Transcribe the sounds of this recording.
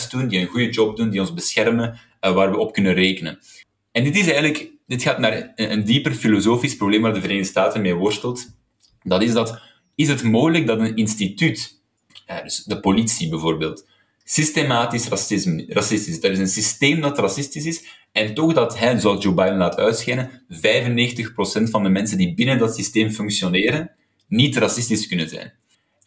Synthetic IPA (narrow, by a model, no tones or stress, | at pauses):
sdundiənɣujəd͡ʒɔb̚dundiɔnzbəsxɛrmə | ʋaːrwəɔpkɵnəreːkənə̰n | ɛndɪtɪsɛːjɣənləkdɪtxaːtnaːrənəndipərfilozoːfisprobleːmʋaːrdəvəɾeːnŋdəstaːtənmeːwɔrstəlˠt | dɑtɪzdɑt | ɪsɦətmoːjləɡ̚dɑtənɪnstityt | ɛdɵsdəpolitsibəvoːrbeːlˠt | sɪstemaːtɪsrɑsɪzmrɑsɪstɪsdɑɾɪzənsisteːmdɑtrɑsɪstɪsɪs | ɛntɔɣdɑtɦɛzoɑlˠzd͡ʒobajdənlaːtʰœ̰ɥtsxɛnənvɛjvənːeːxtəxprosɛntfɑndəmɛnsəndibɪnəndɑtsisteːmfʏŋksjoneːɾənː | itrɑsɪstɪskɵnənzɛ̰jn